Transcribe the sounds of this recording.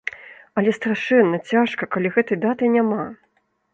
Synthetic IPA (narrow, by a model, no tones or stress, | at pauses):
ɐlʲɛst̪ɾaʂɛnːɐt͡sʲaʂkɐkalʲiɣɛt̪ɐjd̪at̪ɨjnʲama